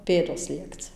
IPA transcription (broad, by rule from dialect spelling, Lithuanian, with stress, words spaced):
ˈpʲeːdoːs ˈlʲiɛkt͡sʲɪ